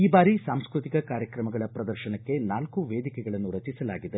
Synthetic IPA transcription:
iːbaːɾisaːmskɾut̪ikɐkaːɾjɐkɾɐmɐɡɐɭɐpɾɐd̪ɐɾʃɐnɐkːe̞naːlkuʋeːd̪ikɛɡɐɭɐnːuɾɐt͡ʃisɐlaːɡid̪e

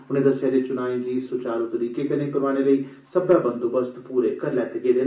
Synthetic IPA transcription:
ʊnẽːd̪əsaːd̪eːt͡ʃʊnaːẽːɡiːsʊːt͡ʃaːɾot̪əɾiːkeːkənẽːkəɾʋaːɽ̃eːləiː | səbaːbə̃nd̪obəst̪puːɾeːkəɾlɛːt̪eːɡeːd̪eː

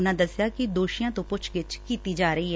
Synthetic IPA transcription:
ʊnãːd̪əsɪjaːkɪd̪oːʃijãːt̪õːpʊt͡ʃʰɡɪt͡ʃkiːt̪iːd͡ʒaːɾəiːɦɛ

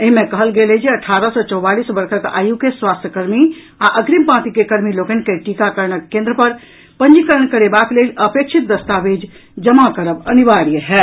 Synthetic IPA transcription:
eɦimẽkəɦəlɡeled͡ʒeəʈʰaɾəsɔt͡ʃɔwbalisbəɾkʰəka̰jukeswast̪ʰjəkəɾmi | aʔəɡɾimpãt̪ikekəɾmiloɡənkeʈikakəɾɳəkːẽnd̪ɾəpəɾ | pənd͡ʒikəɾəɳkəɾebaklelʔəpek̚t͡ʃʰit̪̚d̪əst̪abed͡ʒ | d͡ʒəmakəɾəbənibaɽijəɦɛ

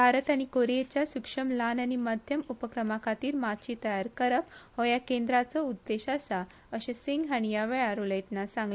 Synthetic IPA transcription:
bʱaɾət̪aɽ̃ikoɾijet͡ɕjasukʂəmlanaɽ̃iməd̪ʱjəmupəkɾəmakʰat̪iːɾmat̪t͡ɕiːt̪əjaɾkəɾəphɔjakẽnd̪ɾat͡səud̪ːeɕasa | əɕesiŋɡɦaɽ̃ijaʋɛɭaɾuləjt̪nasãŋɡle

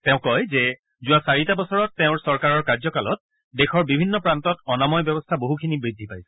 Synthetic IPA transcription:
tɛʊ̃kɔjzɛ | zʊwasaɹitabɔsɔɹɔtːeʊ̃ɹsɔɹkaɹɔɹkaɹzɔkalɔt̚ | dexʰɔɹbibʱinːɔpɹantɔtɔnamɔjbjɔbɔstʰaboɦukʰinibɹidʱːipajsɛ̥

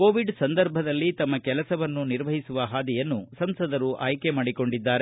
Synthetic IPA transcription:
koːʋiɖsɐnd̪ɐɾbʱɐd̪ɐlːit̪ɐmːɐkɛlɐsɐʋɐnːuniɾʋɐɦisuʋɐɦaːd̪ijɐnːusɐmsɐd̪ɐɾuʔaːjkemaːɽiko̞ɳɖid̪ːaːɾe

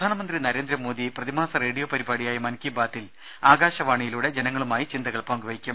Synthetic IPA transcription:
d̪ʱaːnɐmɐnd̪rinɐɾe̞ːnd̪ɾɐmo̞ːd̪iprɐðimaːsɐre̞ːɽijoːpɐɾibaːɽijaːjɐmɐnkibaːt̪ːil | aːɡaːɕɐʋaːɳijiluɽe̞d͡ʑenɐŋːɐɭumaːjit͡ɕind̪ɐɣɐɭpɐaŋɡʋɐjikʲːum

